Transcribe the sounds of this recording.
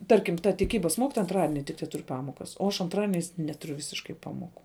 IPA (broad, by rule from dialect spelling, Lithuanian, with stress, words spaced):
ˈtɐrʲkʲɪm tɐ tʲɪˈkʲiːbɐs ˈmoːkʲɪtoːjɛ ɐnˈtrɑːdʲɪnʲɪ tʲɪk tʲɛˈtʊrʲ ˈpɑːmoːkɐs oː ɐʃ ɐnˈtrɑːdʲiɛnʲɛɪs ˈnʲæːtʊˌrʲʊ ˈʋʲɪsʲɪʃkɐɪ ˈpɑːmoːˌkʊ